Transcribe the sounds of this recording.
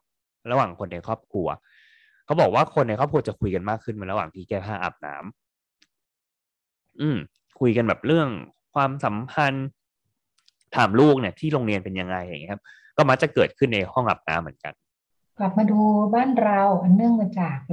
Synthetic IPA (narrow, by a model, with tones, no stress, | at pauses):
ɾa˧waː˨˩ŋkʰo˧nːa˧jkʰɔː˥˩p̚kʰu˧ɐ | kʰa˦˥wbɔː˨˩k̚waː˥˩kʰo˧nːa˧jkʰɔː˥˩p̚kʰɐ˧t͡ɕa˨˩kʰu˧jka˧nmaː˥˩kʰːɯ˥˩nm˩˧˦ɾa˧waː˨˩ŋt̪ʰiː˥˩kɛː˥˩pʰaː˥˩ʔa̰˨˩p̚na̰ː˦˥m | ʔɯː˧˩m | kʰu˧jka˧nbɛː˨˩p̚ɾɯ˥˩əŋ | kʰwaː˧msa˩˦mpʰa˧n | t̪ʰaː˨˩mluː˥˩k̚ni˥˩ət̪ʰiː˥˩ɾoː˧ŋli˧ənpe˧nja˧ŋa˧ja̰˧˨ŋi˦˥kʰa˦˥p̚ | kɔː˥˩ma˦˥k̚t͡ɕa˨˩kɤː˨˩t̪̚kʰɯ˥˩nːa˧jhɔ˥˩ŋʔa̰˨˩p̚na̰ː˦˥mːɯ˩˦ə˦nka̰˧n | kla˨˩p̚maː˧duː˧baː˥˩nɾa˧wʔa˧nːɯ˥˩əŋmaː˧t͡ɕaː˨˩k̚